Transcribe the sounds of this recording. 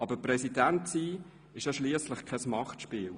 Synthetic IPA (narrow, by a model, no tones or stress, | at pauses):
ɑb̥əprɛsidæntsiː | ɪʃjɑʃliəsləχkʰɛsmɑχtʃpiːl